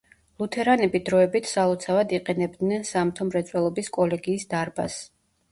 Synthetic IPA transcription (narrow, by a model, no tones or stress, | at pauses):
lˠut̪ʰɛɾanɛbid̪ɾɔɛbit̪ʰsalˠɔt̪sʰavad̪iqʼɛnɛb̚d̪nɛnsamt̪ʰɔmɾɛt̪sʼwɛlˠɔbiskʼɔlɛɡiːsd̪aɾba̰s